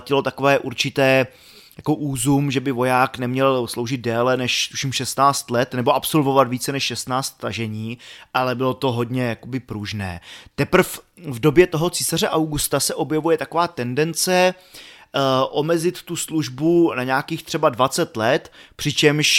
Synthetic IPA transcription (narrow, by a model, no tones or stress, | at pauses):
cɪlo̞t̪ako̞vɛːʔuɾt͡ʃɪt̪ɛː | jako̞ʔuːzumʒɛbɪvo̞jaːknɛmɲɛlslo̞wʒɪd̪̚dɛːlɛnɛʃt̪u̥ʃimʃɛst̪naːt͡st̪lɛt̪nɛboʔapso̞lvo̞vat̪viːt͡sɛnɛʃʃɛst̪naːt͡st̪ːaʒɛɲiːʔalɛbɪlo̞t̪o̞ɦo̞dɲɛjako̞bɪpɾuʒnɛ̰ːt̪ɛpr̩fvdo̞bjɛt̪o̞ɦo̞t͡siːsarɛʔawɡust̪asɛʔo̞bjɛvujɛt̪akovaːt̪ɛndɛnt͡sɛ | ʔo̞mɛzɪt̪ːusluʒbunaɲaːkiːxt̪r̝̥ɛbadvat͡sɛt̪lɛt̪pr̝̥ɪt͡ʃɛmʃ